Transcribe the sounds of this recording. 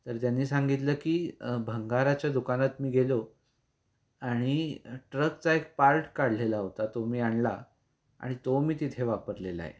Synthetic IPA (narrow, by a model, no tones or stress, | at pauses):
t̪əɾt̪janːiːsaŋɡit̪ləːkiːbʱəŋɡaɾat͡ɕjad̪ukanat̪miːɡʱelo | aɽ̃iʈɾəkt͡saek̚paɾʈkaɽ̤ʱlelaɦot̪at̪omiːaɳla̰ | a̰ɽ̃it̪omiːt̪it̪ʰeʋapəɾlela̰ḛ